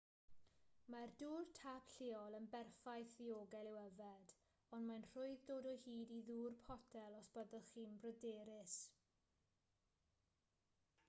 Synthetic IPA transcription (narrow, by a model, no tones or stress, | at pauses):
marduːrtʰapɬɪɔlˠənbɛrfajθðioːɡɛlˠɪwəvɛd | ɔnmanr̥ʊɨðdoːdɔhiːdiðuːrpʰɔtʰɛlˠɔsb̥əðəlˠχiːnbrɔdeːɾɪs